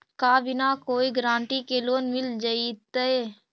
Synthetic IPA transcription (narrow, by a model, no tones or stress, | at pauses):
kaːbʱɪnakoːiɡɾãːɳʈikeloːnmɪld͡ʒait̪əe